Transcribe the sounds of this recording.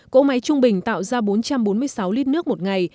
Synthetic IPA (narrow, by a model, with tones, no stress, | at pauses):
ko̰˧˥ma˨˦jt͡ɕʊ˧ŋ͡mɓï˨˩ŋ̟t̪a̰ː˧˨wzaː˧ɓo˨˦nt͡ɕa˧mɓo˨˦nmɨ˧əjsa˨˦wli˧˥n̚nɨ˦˥ək̚mo˨˩t̚ŋa˨˩j